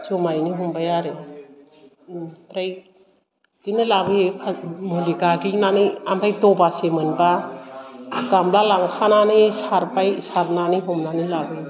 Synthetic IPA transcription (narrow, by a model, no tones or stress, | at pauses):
zɔmajniɦumbajaɾe | ɾaj | d̥inɯlabɯjepʰamuliɡaɡinaniambajdɔbasemɯnba | ɡamlalaŋkʰananisaɾpajsaɾnaniɦumnanilabɯj